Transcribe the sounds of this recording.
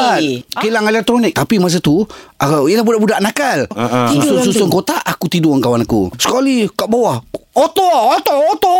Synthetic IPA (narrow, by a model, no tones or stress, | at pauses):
apilaŋelɛk̚t̪ɾonɪk̚t̪apimas̬at̪uaaiəlahbudaʔbudaʔnakalsusʊsut̪ʊnkot̪aʔakut̪idʊaŋkawanakṵsə̥kalikaʔbawahot̪ɔot̪ɔot̪ɔ